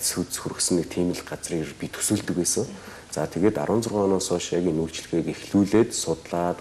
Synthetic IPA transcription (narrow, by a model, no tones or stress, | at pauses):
sut̪̆sxuɾɘ̆ksɘ̆nek̚t̪ʰiːmɘ̆ɮɢat͡sriːkpʲit̪ʰu̥sŭːɮt̪ɘ̆kpeːsə̆ŋ | t͡saːt̪ʰeɣeːt̪a̰ɾʊːnt͡sʊrʁœːnɔːsɔːʃjakinuːɮt͡ɕ̆ɮ̆ɣeːkexɮuːɮeːt̪sʊt̪ɮaːt̪